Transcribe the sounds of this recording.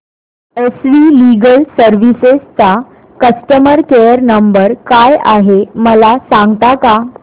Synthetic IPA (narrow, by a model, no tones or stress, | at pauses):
esʋiliɡəlsəɾʋisest͡sa | kəsʈəməɾkejəɾnəmbəɾkajaɦeməlasãŋɡt̪aka